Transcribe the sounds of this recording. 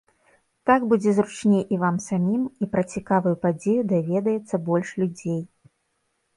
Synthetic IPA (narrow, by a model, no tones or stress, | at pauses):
t̪aɡbud͡zʲɛzɾut͡ʂnʲejʔivamsamʲimipɾɐt͡sʲikavɨjupad͡zʲejud̪avʲɛd̪ɐjɛt̪sːɐbɔlʲʂlʲud͡zʲej